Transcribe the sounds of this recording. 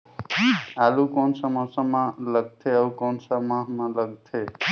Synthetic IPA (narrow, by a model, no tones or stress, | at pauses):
alũkonsəməsəmãləɡ̚t̪ʰeəukɔnsəmãɦmãləɡt̪ʰe